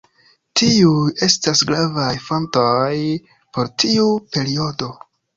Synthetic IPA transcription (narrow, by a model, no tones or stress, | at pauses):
tiue̞stasɡɾavajfo̞ntoj | po̞ɾtʰiupe̞ɾio̞do̞